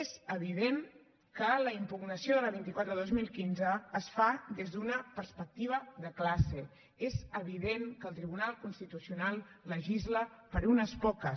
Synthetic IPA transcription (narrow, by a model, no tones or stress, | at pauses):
ezəβ̞iðeŋ | kələimpuɡnəsioðələβ̞int̪ikwat̪ɾəðəðozmilˠkinzəːsfaðezðunəpəɾspək̚t̪iβ̞əðəklase | ezəβ̞iðeŋkəːlˠt̪ɾiβunalˠkunst̪it̪usiunalˠlːəʒizləpəɾunəspɔkə